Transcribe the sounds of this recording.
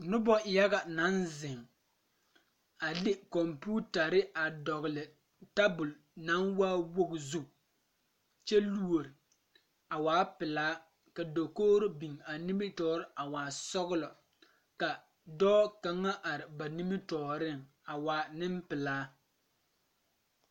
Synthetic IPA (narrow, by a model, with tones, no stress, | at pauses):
nʊ˦bɔ˦ja˦ɣa˨na˨˦nzɪ˨ŋ | a˨dɪ˦kɔ˨mpuː˦ta˨ɾɪ˦a˨dɔ˨ɣlɪ˨ | ta˦bʊ˨l | na˨˦ŋwaː˦wo˦ɡzu˦ | t͡ʃɛ˦lu˦o˨ɾɪ˨ | a˨waː˦pɪ˨laː˦ | ka˨do˨koː˦ɾɪ˦bi˨ŋa˨ni˦mɪ˦tɔː˦ɾɪ˦ʔa˨waː˨sɔ˦ɣʊ˦lɔ˨ | ka˨ | dɔː˦ka˦ŋa˦ʔa˨ɾɪ˨ba˨ni˦mɪ˦tɔː˨ɾɪ˦˨ŋ | a˨waː˨˦nɪ˦mpɪ˨laː˨˦